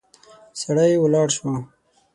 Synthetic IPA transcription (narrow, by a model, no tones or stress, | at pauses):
saɽajwəlɑɽʃwa